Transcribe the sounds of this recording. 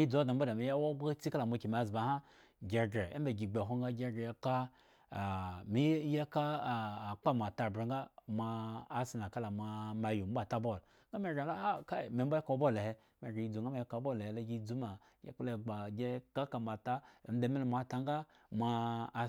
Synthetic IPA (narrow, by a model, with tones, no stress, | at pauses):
i˦d͡zo˦da˨m̩˦ba˦da˨mi˨ja˦wo˦ɡ͡ba˦t͡si˦ka˦la˨ma˧˨ki˨m˨a˨zba˨˦ha˦ | ɡʲe˨ɡɾe˨ḛ˦m˦be˨ɡi˨ɡ͡be˨ɦo˦ŋɡa˦ɡʲe˦ɡe˨ja˦ka˦˨ | mi˦je˦ka˦˨k͡pa˦ma˨ta˨bɾe˨ŋɡa˦mʷaː˧˨si˨n˨a˨ka˦la˨mʷa˨ma˨ju˨m̩˦ba˦˨ta˦bo˦˨l | ŋ˦ɡa˦me˦˨ɡe˨˦la˦a˦ka˦˨me˨m˦ba˦ka˨˦bo˦le˨he˦ | me˨ɡe˨i˦d͡zu˨ŋɡa˦ma˦je˦ka˨˦bo˦le˨he˨˦la˦ɡi˦d͡zu˦ma˨ | ɡḛ˦k͡ple˨ɡ͡ba˨ɡʲe˦ka˦ka˨ma˨ta˦˨m̩˦de˨˦me˦lmʷ˨a˨ta˨˦ŋ˦ɡa˦ | mʷa˧˨